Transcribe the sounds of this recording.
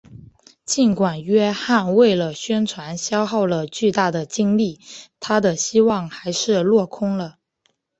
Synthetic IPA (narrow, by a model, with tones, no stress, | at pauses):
t͡ɕi˥nkwa˨˩nɥɛ˥xa˥˧nwe˥˩ɪlə˩ɕɥɛ˥nt͡sʰwa˧˥nɕjɑ˥ʊxɑ˥˩ʊlə˩t͡ɕy˥˧t̪a˥˩d̪ə˩t͡ɕi˥ŋli˥˩t̪ʰa˥d̪ə˨ɕi˥wɑ˥˩ŋxa˧˥ɪʂɻ̩˥˧lwɔ˥˩kʰʊ˥ŋlə˨